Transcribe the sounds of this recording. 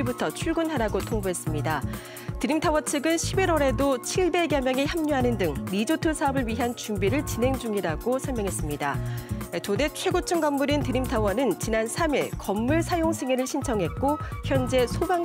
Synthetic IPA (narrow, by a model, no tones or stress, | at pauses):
ibutʰʌt͡ɕʰuɭɡunɦaɾaɡotʰoŋbuɦe̞s͈ɯmɲida | tɯɾimtʰawʌt͡ɕʰɯɡɯnɕʰibiɾwʌɾe̞dot͡ɕʰiɭbe̞ɡjʌmjʌŋiçjamɲuɦanɯndɯŋɾid͡ʑotʰɯsʰaʌbɯɭɥiɦant͡ɕumbiɾɯɭt͡ɕinɦe̞ŋd͡ʑuŋiɾaɡosʰʌɭmjʌŋɦe̞s͈ɯmɲidaetode̞t͡ɕʰwe̞ɡot͡ɕʰɯŋɡʌmːuɾintɯɾimtʰawʌnɯnt͡ɕinansʰamiɭkʌmːuɭsʰajoŋsʰeŋeɾɯɭɕʰint͡ɕʰʌŋɦe̞t̚k͈oçjʌnd͡ʑe̞sʰobaŋ